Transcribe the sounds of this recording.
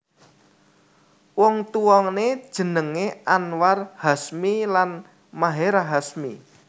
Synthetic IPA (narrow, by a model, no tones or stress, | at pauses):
wɔŋt̪uwɔŋned̥ʒ̥ə̤nəŋeʔanwarhasmilan | maɦeɾaɦasmi